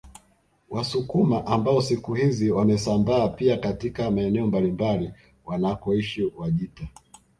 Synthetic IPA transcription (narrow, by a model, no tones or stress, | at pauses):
wasukumaʔambaɔsikuhiziwamɛsambaːpiakatikamaɛnɛɔmbalimbali | wanakɔiʃiwaʄita